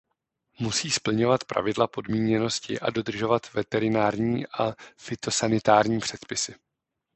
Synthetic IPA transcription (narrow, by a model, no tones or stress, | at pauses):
musiːspl̩ɲo̞vat̪pɾa̰vɪdlapo̞dmiːɲɛno̞scɪ̰ʔa̰do̞d̪r̩ʒo̞vat̪vɛt̪ɛɾɪnaːɾɲiːʔafɪt̪o̞sanɪt̪aːɾɲiːpr̝̥ɛt̪pɪsɪ